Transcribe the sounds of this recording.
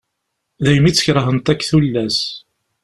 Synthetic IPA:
ðæjmit͡sːə̥çɾˤəɦənt̪ækːθulːæs

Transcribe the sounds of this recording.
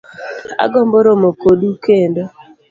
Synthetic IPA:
a̰ɡɔmboɾomokodukendo

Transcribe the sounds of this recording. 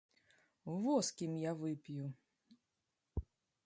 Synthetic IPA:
vɔskʲimjavɨpʲju

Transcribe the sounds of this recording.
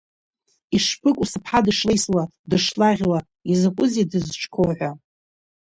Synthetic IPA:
iʂpʰɨkʷʼusɨpʰħadɨʂlejswa | dɨʂlaʁʲwa | izɨkʷʼʊzidɨzʈ͡ʂʰkʰoħʷᶣa

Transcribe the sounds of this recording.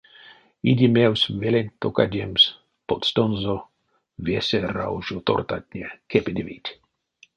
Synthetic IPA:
idʲimewsʲvelenʲt̪okadʲems | pot̪st̪onzo | vesʲera̰wʒot̪o̰rt̪at̪ʲnʲekʰepid̪ʲevit̪ʲ

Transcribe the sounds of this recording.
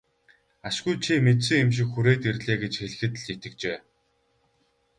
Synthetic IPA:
aʃɡujt͡ɕʰimet̪sɘ̆ŋemʃ̬ɪ̆kxuɾeːt̪irɮeːɡet͡ɕxeɮ̆xɘ̆t̪ɘ̆ɮit̪ɘ̆k̚t͡ɕeː

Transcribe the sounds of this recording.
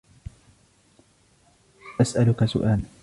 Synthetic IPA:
ʔasʔalʊkasʊ̰ʔaːl

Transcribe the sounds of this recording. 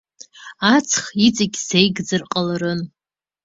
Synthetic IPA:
at͡sʰχit͡sʼɪɡʲzejɡd͡zɨrqʼalaɾɨn

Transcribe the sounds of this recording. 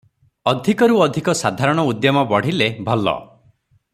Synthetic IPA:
ɔd̪ʱikɔɾuɔd̪ʱikɔsad̪ʱaɾɔɽ̃ɔud̪jɔmɔbɔɽ̤ilebʱɔlːɔ̰

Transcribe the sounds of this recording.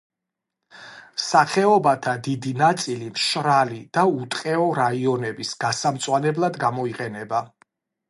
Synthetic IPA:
saχɛɔbat̪ʰad̪id̪inat̪sʼilimʃɾalid̪̥aut̪ʼqʼɛɔɾaiɔnɛbisɡ̥asamt̪sʼwanɛblˠad̪ɡamɔiqʼɛnɛba

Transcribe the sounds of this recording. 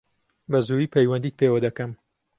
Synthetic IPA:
bɐzuiːpʰɐjwɐnd̪iːt̪̚pʰeːwɐd̪ɐkɐm

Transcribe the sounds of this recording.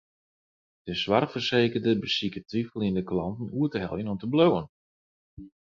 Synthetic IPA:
d̥əsʋarfərseːkərdəbəsikətʋifəlˠindəklɑntn̩uətəɦɛ̰lˠjənɔmtəblowən

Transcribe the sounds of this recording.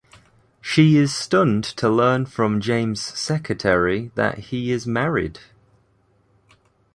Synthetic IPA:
ʃiɪz̥stʊ̃ntʰəlɜːnfɹə̃md͡ʒẽɪ̃mz̥sɛkʰɹətʰɛɹiðə̰ʔhiɪzmaɹɪ̰d̥

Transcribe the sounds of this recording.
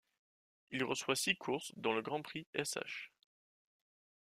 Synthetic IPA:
ilʁəswasikʰuʁsd̪ɑ̃ləɡʁɑ̃pχiɛsa̰ʃ

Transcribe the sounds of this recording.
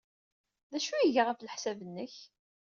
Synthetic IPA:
ðæʃujiʝaʁafləħsævənːəç

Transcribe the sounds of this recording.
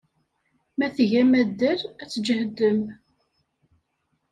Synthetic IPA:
mæθʝæmæd̪ːəɾæt͡sːd͡ʒəhəd̪ːəm

